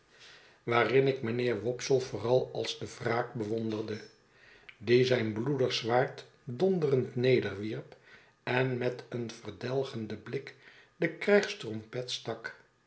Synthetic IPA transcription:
ʋaːrɪnɪkmənɪːɹʋɔpsəlˠvʊːrɑlˠɑlˠzdəvraːk̚bəʋɔndərdə | dizɛjnbludərsʋaːɹt | dɔndərəntnejdəɹʋiɹp | ɛnmɛtənvərdɛlˠχəndəblɪk | dəkrɛjχstrɔmpɛtstɑk

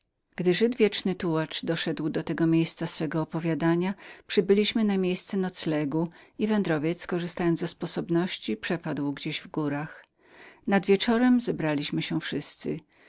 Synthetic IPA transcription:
ɡ̥d̪ɘʐɘd̪vʲjɛt͡ʂnɘt̪uwat͡ʂd̪ɔʂɛd̪wd̪ɔt̪ɛɡɔmʲjejst̪sasfɛɡɔːpɔvʲjad̪aɲapʂɘbɘlʲiɕmɘnamʲjejst̪sɛnɔt̪slɛɡuivɛnd̪ɾɔvʲjɛt̪skɔʐɨst̪ajɔnd̪zɛspɔsɔbnɔɕt͡ɕipʂɛpad̪wɡd͡ʑeʑvɡuɾax | nad̪vʲjɛt͡ʂɔɾɛmzɛbɾalʲiɕmɘɕɛfʂɘst̪sɘ̰

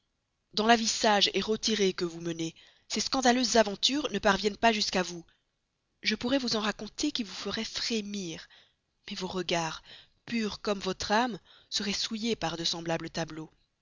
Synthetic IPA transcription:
d̪ɑ̃lavisaʒɛʁət̪iʁekəvuməne | seskɑ̃d̪aløzːavɑ̃t̪yːʁnəpaʁvjɛnpaʒyskavu | ʒəpuʁɛvuzɑ̃ʁakɔ̃t̪ekʲilvufəʁɛfχemiːʁ | mɛvoʁəɡaʁ | pyʁkɔmvɔt̪χamsəʁɛsujepaʁd̪əsɑ̃blablət̪ablo

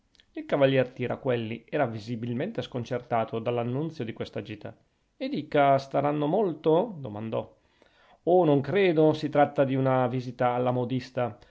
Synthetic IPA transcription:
ilkavalːjɛrt̪iːɾa̰kːwelːiɛːɾavizibilment̪eskont͡ʃert̪aːt̪ʰod̪alːanːunt̪sjod̪ikwest̪ad͡ʒiːt̪a̰ | ed̪iːkast̪aɾanːomolt̪od̪oma̰nd̪ɔ | onoŋkɾeːd̪osit̪ɾat̪ːad̪iunaviːzit̪aːlːamod̪ist̪a

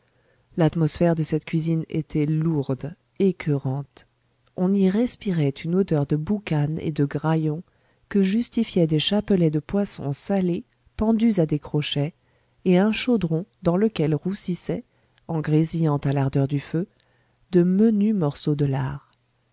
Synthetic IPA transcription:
lat̪mɔsfɛʁd̪əsɛt̪kʲɥizinḛt̪ʰɛluʁd̪ | ekʰøʁɑ̃t̪ | ɔ̃niʁɛspiʁɛt̪ʰynod̪œʁd̪əbukanḛd̪əɡʁajɔ̃ | kəʒyst̪ifjɛd̪eʃapəlɛd̪əpwasɔ̰̃sale | pɑ̃d̪yzad̪ekχɔʃɛ | eɛ̃ʃod̪ʁɔ̃d̪ɑ̃ləkʲɛlʁusisɛ | ɑ̃ɡʁezijɑ̃t̪alaʁd̪œʁd̪yfø | d̪əmənymɔʁsod̪əla̰ːʁ

